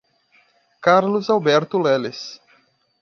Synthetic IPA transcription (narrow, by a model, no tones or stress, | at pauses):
kaɾlʊzawbɛɾt̪ʊlɛlɪs